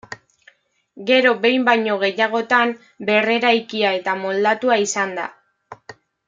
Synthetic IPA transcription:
ɡe̞ɾo̞be̞jmbajɲo̞ɣ̞e̞jaɣ̞o̞t̪am | be̞re̞ɾajkiae̞t̪amo̞ld̪at̪uaisand̪a̰

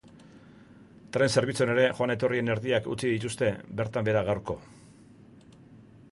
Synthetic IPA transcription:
t̪ɾe̞nse̞ɾβit͡suone̞ɾe̞xoane̞t̪o̞rie̞ne̞ɾðiakṵt͡siðit̪̬ust̪e̞be̞ɾt̪ambe̞ɾaɣawɾko̞

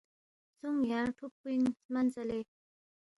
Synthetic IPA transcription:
t͡sʰuŋjaŋʈʰup̚ːiŋmant͡səle

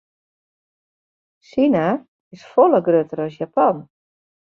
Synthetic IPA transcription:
sina | ɪsfɔlˠəɡrøtəɾɔsjapan

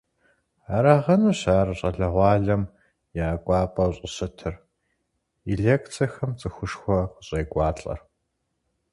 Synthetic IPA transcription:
aːɾaːʁɐnuɕaːrɨɕʼɐɮɐʁʷɑːɮɐm | jaːɡʷʼɑːpʼɐwɕʼɪɕɐtʰɨr | iɮeːkt͡sʰɐxɐmt͡sʼɨxʷʊʂxʷɔqəɕʼejɡʷɑːt͡ɬʼɐ̰r

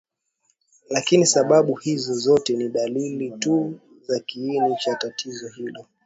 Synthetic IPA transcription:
lakinisaɓaɓuhizɔzɔtɛniɗalilitu | zakiːnit͡ʃatatʰizɔhilɔ

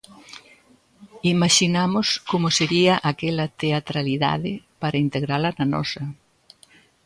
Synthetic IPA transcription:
imaʃinamʊskomoseɾiɐʔakɛlɐt̪eat̪ɾaliða̰ðɪpaɾɐint̪eɣɾalɐnanɔ̰sɐ

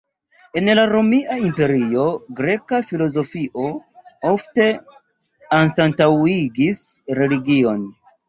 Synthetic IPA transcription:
e̞nlaɾo̞miaimpe̞ɾio̞ɡɾe̞kafilo̞zo̞fiʔo̞o̞fte̞ | anstantawiɡisɾe̞liɡio̞n

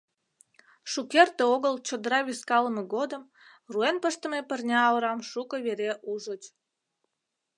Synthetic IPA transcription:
ʃukert̪eoɣəlt͡ɕod̪əɾɑβʲiskɑləmeɣod̪əm | ruenpəʃt̪ə̆mepərnʲɑːoɾɑmʃukəβeɾeʔuʒot͡ɕ

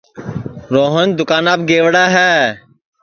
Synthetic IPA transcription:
ɾoːɦənd̪ʊkaːnaːb̚ɡeːʋɽaːɦɛː

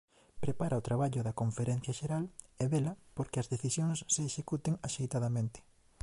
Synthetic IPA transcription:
pɾepaɾaot̪ɾaβaʎʊðɐkoɱfeɾɛn̟θjɐʃeɾaleβelɐpoɾkeɐzðeθisjoŋsːeːʃekut̪eŋaʃejt̪aðɐmẽnt̪e̥

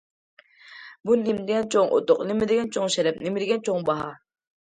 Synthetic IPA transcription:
bunɪmd̪ɪɡʲɛnt͡ʃʰoŋʔo̰t̪oqnɪmɪd̪ɪɡʲɛnt͡ʃʰoŋʃɛɾɛp̚nɪmɪɾɪɡʲɛnt͡ʃʰoŋbɑɦɑ

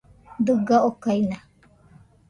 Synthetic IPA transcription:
d̪ɯɡaokaina

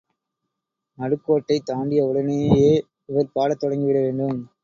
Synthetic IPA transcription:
mɐɽɯkːoːʈːɐɪt̪ːaːɳɖɪjɐʊɽɐneːjeː | ɪʋɐɾpaːɽɐt̪ːɔɽɐŋɡɪʋɪɽɐʋeːɳɖɯm

